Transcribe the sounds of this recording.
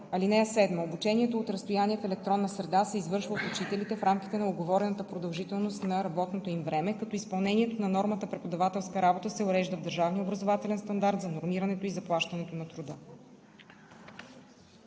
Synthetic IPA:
ɐlinɛjəsɛd̪məobut͡ʃɛniɛt̪oːt̪ɾɐst̪ojaniɛfɛlɛk̚t̪ɾɔnːɐsɾɛd̪asɛizvɤɾʃvəot̪ʊt͡ʃit̪ɛlit̪ɛfɾamk̟ʲit̪ɛnɐoɡovɔɾɛnət̪əpɾod̪ɐlˠʒit̪ɛlˠnost̪nɐɾɐbɔt̪not̪oimvɾɛmɛkɐt̪ɔispɐlˠnɛniɛt̪onɐnɔɾmət̪əpɾɛpod̪ɐvat̪ɛlˠskəɾabot̪əsɛʊɾɛʒd̪əvd̪əɾʒavniobɾɐzovat̪ɛlɛnst̪ɐnd̪aɾt̪zɐnoɾmiɾɐnɛt̪oizɐplˠaʃt̪ɐnɛt̪onɐt̪ɾʊd̪ɤ

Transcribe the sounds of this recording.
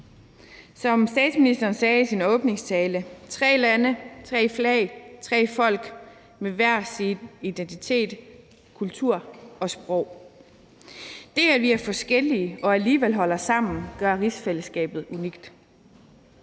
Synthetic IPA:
sɒ̽msd̥ɛ̰ːd̥sminisd̥ɐːnsɛːisinɔ̽ːb̥ne̝ŋst͡sʰɛːlət͡sʰʁɛ̰ːlænət͡sʰʁɛ̰ːflɛɪt͡sʰʁɛ̰ːfɒ̽l̰ɡ̥ | meʋæɐ̰sinid̥ent͡sʰit͡sʰe̝̰ːd̥ | kʰult͡sʰuɐ̰ɒ̽sb̥ʁɔʊ̰ | d̥e̝æʋiæɐfɒ̽sɡ̥el̰iəʔɒ̽æliːʋel̰ɦɒ̽l̰ɐsɑ̈m̰n̩ɡ̥ɶɐʁisfeləsɡ̥ɛ̰ːb̥ð̞̩ˠuniɡ̥d̥

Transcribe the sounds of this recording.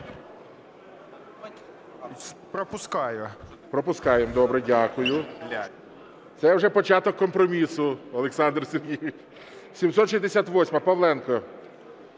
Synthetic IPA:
pɾɔpʊskɑjʊ | pɾɔpʊskɑjemd̪ɔbɾɛdʲakʊjʊ | t̪sɛjwʐɛpɔt͡ʃat̪ɔkːɔmpɾɔmʲisʊɔlˠeksɑnd̪rseɾjʲii | sʲimsɔt̪ʃizʲd̪esʲat̪ʋɔsʲmɐpɐʋlˠɛnkɔ

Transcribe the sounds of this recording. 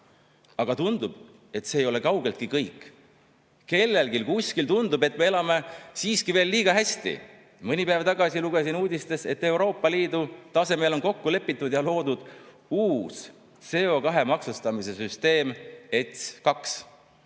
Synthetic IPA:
ɑɡ̥ɑt̪und̪̥ub̥ | e̞t̪seːjo̞le̞kɑwɡ̥e̞lt̪̚kikɤjkˑː | ke̞lːe̞lkilkusʲkilt̪und̪ube̞t̪ːˑme̞e̞lɑme̞siːskive̞ːlːiːɡ̥ɑɦæst̪ḭ | mɤnʲipæevt̪ɑɡ̥ɑsiluɡ̥esinuːd̪ist̪e̞se̞t̪ːe̞uɾo̞ːpːɑliːd̪ut̪ɑse̞me̞ːlo̞nko̞kːule̞pːit̪ːˑud̪jɑlo̞ːd̪ud̪̥ | uːs | se̞o̞kɑɦe̞mɑksust̪ɑmise̞syst̪e̞ːme̞t̪skɑks

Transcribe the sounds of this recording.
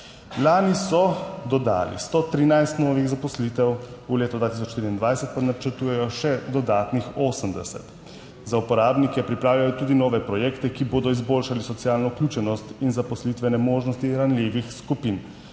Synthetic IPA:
laːnisɔd̪ɔd̪a̰ːlḭst̪ɔt̪ɾinajst̪nɔːʋiɣzapɔslit̪ɛwuleːt̪ɔd̪vaːt̪is̬ɔt͡ʃːt̪ɾind̪ʋajsɛt̪̚panat͡ʃəɾt̪uːjɛjɔʃɛd̪ɔd̪aːt̪nixoːsəmd̪ɛsɛ̰t̪ | zaupɔɾaːbnikɛpɾipɾaːwlʲjajɔt̪uːd̪inɔːʋɛpɾɔjɛːkt̪ɛkiboːd̪ɔizboːlʃalisɔt̪sijaːlnɔuklʲuːt͡ʃɛnɔst̪inzapɔslit̪ʋɛnɛmoːʒnɔst̪iɾanlʲeːʋixskupin

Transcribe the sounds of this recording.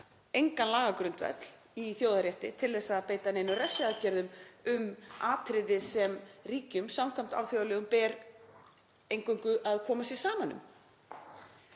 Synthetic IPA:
ejŋkanlaːɣakɾʏnt̪vɛ̰t̪l̥ | iθjoːwðaɾjɛht̪ɪt̪ʰɪlθɛsaðpeːjt̪aneːjnʏrɛ̥saacɛɾðʏmʏmaːt̪ʰɾɪðɪsɛmɾiːcʏmsamkʰam̥t̪a̰vθjowðalɛːɣʏmpɛːɾ | ejŋkʏŋkʏʔaðkʰɔːmasjɛsaːmanːʏ̰m

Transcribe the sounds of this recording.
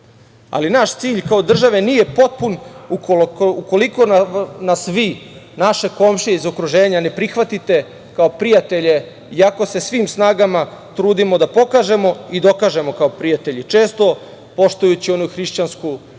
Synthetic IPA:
a̰linaʃt̪siːʎkao̞d̪r̩ʒaʋe̞niːje̞po̞t̪̚punuuko̞liko̞nanasʋiːnaʃe̞ko̞mʃieizo̞kɾuʒe̞ːɲane̞pɾixʋat̪it̪e̞ | kao̞pɾijat̪e̞ʎe̞ | iako̞se̞sʋiːmsnaːɡama | t̪ɾuːd̪imo̞d̪apo̞kaːʒe̞mo̞id̪o̞kaːʒe̞mo̞kaopɾijat̪e̞ʎit͡ʃe̞ːst̪o̞ | po̞ʃt̪ujut͡ɕio̞nuxɾiʃt͡ɕansku

